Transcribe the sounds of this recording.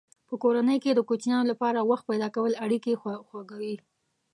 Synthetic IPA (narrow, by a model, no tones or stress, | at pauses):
pəkoɾanəjked̪əkot͡ʃnjɑnolapɑɾawaxt̪̚pajd̪ɑkawəlaɽikexwaɡawi